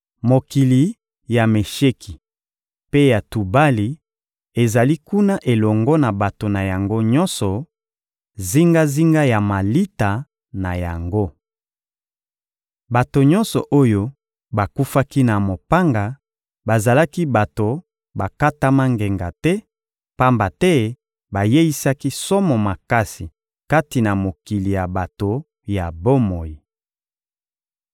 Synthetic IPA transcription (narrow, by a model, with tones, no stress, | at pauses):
mo˨ki˨li˨ | ja˨me˨ʃe˦kʰi˨ | pe˦ja˨tu˨ba˦li˨ | e˨za˨li˦ku˦na˦ʔe˨lɔ˨ŋɡɔ˦na˨ba˨to˨na˨ja˨ŋɡo˦ɲɔ˦nsɔ˨ | zi˦ŋɡa˦zi˦ŋɡa˦ja˨ma˨li˦ta˨ | na˨ja̰˨ŋɡo˦ | ba˨to˨ɲɔ̃˦nsɔ˨ʔo˦jo˦ | ba˨ku˦fa˦ki˦na˨mo˨pa˦ŋɡa˨ | ba˨za˨la˦ki˦ba˨to˨ | ba˨ka˦ta˦ma˦ŋɡe˨ŋɡa˨tɛ˦ | pa˦mba˨tɛ˦ | ba˨je˦i˦sa˦ki˦sɔ˦mɔ˨ma˨ka˦si˨ | ka˦ti˨na˨mo˨ki˨li˨ja˨ba˨to˨ | ja˨bo˦mo˨ji˨